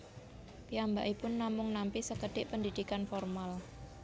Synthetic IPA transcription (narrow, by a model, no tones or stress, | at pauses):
piambaʔipʊnːamʊŋnampisəkəɖ̪̥ɪʔpənd̪id̪̥ikanfɔrmal